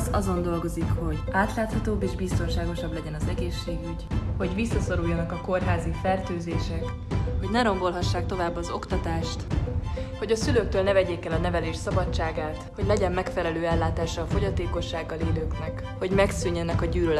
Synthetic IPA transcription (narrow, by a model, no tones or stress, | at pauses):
zɒzo̞nd̪o̞lɡo̞zikho̞ɟʔaːt̪laːt̪hɒt̪oːbːeːʒbist̪o̞nʃaːɡo̞ʃɒblɛɟɛnɒzɛɡeːʃːeːɡyɟho̞ɟvisːɒso̞ɾujːɒnɒkɒko̞rɦaːzifɛrt̪øːzeːʃɛk | ho̞ɟnɛɾo̞ŋɡo̞lɦɒʃːaːk̚t̪o̞vaːbːɒzo̞kt̪ɒt̪aːʃt̪ | ho̞ɟɒsyløːk̚t̪øːlnɛvɛɟeːkɛlɒnɛvɛleːʃsɒbɒt͡ʃaːɡaːt̪ho̞ɟlɛɟɛmːɛkfɛlɛløːɛlːaːt̪aːʃɒːfo̞ɟɒt̪eːko̞ʃːaːɡːɒleːløːknɛk | ho̞ɟmɛksyɲːɛnɛkɒɟyːløl